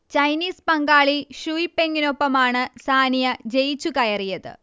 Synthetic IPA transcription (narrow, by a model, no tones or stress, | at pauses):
t͡ɕɐjniːspɐŋɡaːɭiɕuipːe̞ŋːino̞pːɐmaːɳɨsaːnijɐd͡ʑejt͡ɕːukɐjɐrijɐðɨ̰